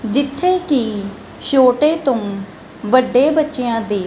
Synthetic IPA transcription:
d͡ʒ̪ɪt̪ʰːeːkiː | ʃoːʈeːt̪õː | ʋəɖːeːbətːʃeãːd̪eː

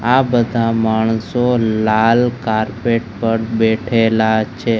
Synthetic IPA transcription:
abəd̪ʱamaɳ̃solalkaɾpeʈ̚pəɽbeʈʰelat͡ʃʰe

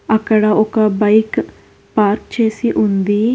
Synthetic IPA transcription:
əkəɽaːokaːbaik | paːɾkt͡ʃʰesiːʔʊ̃nd̪iː

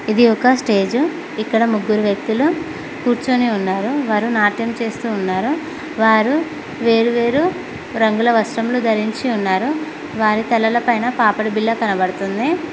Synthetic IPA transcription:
id̪iɔkːɐsʈe̞ːd͡ʒu | ikːɐɽɐmuɡːuɾuʋjɐk̚t̪ulu | kuːɾt͡ʃoniunːaːɾuʋaːɾunaːʈjɐmt͡ʃe̞ːst̪uːnːaːɾu | ʋaːɾu | ʋe̞ːɾuʋe̞ːɾu | ɾɐŋɡulɐʋɐsʈɐmlud̪ʱɐɾiɲt͡ʃiunːaːɾu | ʋaːɾit̪ɛlːɐlɐpɐjnɐpaːpɐɽibilːɐkɐnɐbɐɽut̪und̪i

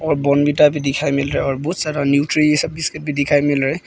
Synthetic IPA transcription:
ɔɹbɔnbitabidikʰajmilɾɛɔɹbɔt̪saɾanjutɾiisɔb̚ːiskit̚bidikʰajmilɾɛ

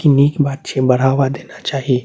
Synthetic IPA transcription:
kiniːkbaːd̪ʃẽbɐɽ̤aːʋad̪eːnat͡ʃaːɦie

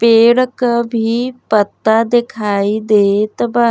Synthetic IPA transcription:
peːɽkəbʱipət̪ːad̪ɪkʰaːid̪eːt̪ɐbaː

